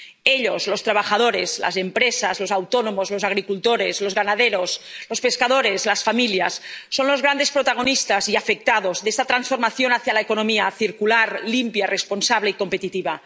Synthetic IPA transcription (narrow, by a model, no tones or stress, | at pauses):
eʎoslost̪ɾaβ̞axaðoɾezla̰sempɾesazlosawt̪onomozlosaɣ̞ɾikult̪oɾezlozɣanaðeɾoslospe̞skað̞oɾezlasfamiljasːonlo̞zɣɾand̪e̞spɾot̪aɣ̞onist̪aziafek̚t̪að̞ozðest̪at̪ɾansfo̞ɾmaθjonaθjalaekonomiaθiɾkulaɾlimpjaresponsaβleiko̞mpet̪it̪iβa